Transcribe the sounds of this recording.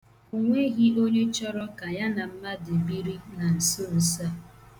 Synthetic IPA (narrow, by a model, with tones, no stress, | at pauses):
u˨ŋʷe˦ɣi˦o˦ɲe˦t͡ʃɔ˦ɾɔ˦ka˨ja˦na˨m̩˦ma˦dɪ˨bi˦ɾi˦na˨n̩˨so˦˨sa˦˨